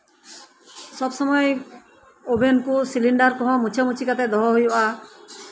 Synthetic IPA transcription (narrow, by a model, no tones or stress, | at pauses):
sɔbsɔmɔe | obʱenkusiliɳɖaɾkɔɦɔ̃mut͡ʃʰɔmut͡ʃʰikat̪ed̪ɔɦɔɦojɔa